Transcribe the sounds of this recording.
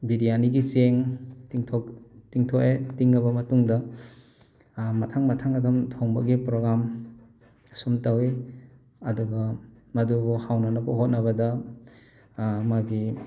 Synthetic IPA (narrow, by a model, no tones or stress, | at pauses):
bidijaniɡizeŋtiŋtʰoktiŋtʰoʔetiŋnɐbɐmɐtuŋdɐ | mɐtʰaŋmɐtʰaŋɐdumtʰoŋbɐ̰ɡipɾoɡam | sumtɐwi | ɐduɡɐ | mɐduɡuhawnɐnɐpɐɦot̚nɐβɐdɐ | maɡi